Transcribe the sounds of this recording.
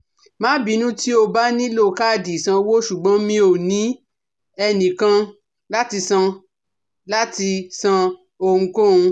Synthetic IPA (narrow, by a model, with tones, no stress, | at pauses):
mãː˨˦bi˨˦nũ˦ti˦o˧ba˦nĩ˦lo˦˨ka˦˨di˨sã˧wo˦ʃu˨ɡ͡bɔ̃˨˦mĩ˧˦o˨nĩ˨˦ | ɛ˧nĩ˨kã˧ | la˦ti˧sã˧ | la˦ti˧sã˧ | o˧ŋ̩˧ko˦˨ũ˧